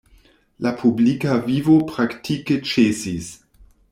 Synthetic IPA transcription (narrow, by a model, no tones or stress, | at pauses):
lapʰublikavivopɾaktʰiket͡ʃesis